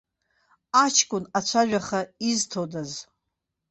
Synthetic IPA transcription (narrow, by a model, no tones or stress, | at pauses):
at͡ʃʰkʼʊnat͡ʃʷʰaʒᶣaχaiztʰodaz